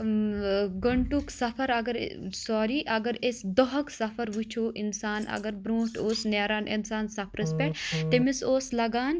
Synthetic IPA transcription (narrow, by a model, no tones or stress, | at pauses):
ɡɐɳʈuksɐfʰɐɾɐɡɐɾ̰sɔːɾiʔɐɡɐɾesd̪ɔɦɐksɐfʰɐɾʋut͡ʃʰoːʔinsaːnɐ̰ɡɐɾbɾũːʈoːsneːɾaːnʔḭnsaːnsɐpɾɐspʲɛʈt̪emisoːslɐɡaːn